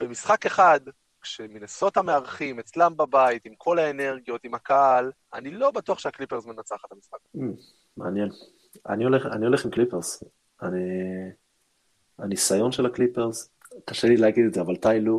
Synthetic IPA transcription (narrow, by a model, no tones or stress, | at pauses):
bemisχake̞χad̪ | kʃe̞minaso̞t̪hameaʁχimet͡slambabait̪imkʰo̞lae̞ne̞ʁɡijo̞t̪imhakaal | a̰nilo̞bat̪uaχʃeaklipeʁzmanat͡saχat̪hamisχaka | meanje̞n | a̰nio̞leχa̰nio̞leχimklipeʁz̥ | ani | anisajo̞nʃelaklipeʁz | kaʃelileaɡid̪tzeavalt̪ajlu